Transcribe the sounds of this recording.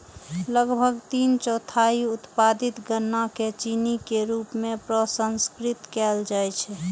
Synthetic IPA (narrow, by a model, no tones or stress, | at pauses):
ləɡbʱəɡt̪iːnt͡ʃɔt̪ʰaiʊt̪pad̪it̪ɡənːaket͡ʃinikeɾupmẽpɾəsənskɾɪt̪kɛld͡ʒaɛt͡ʃʰɛ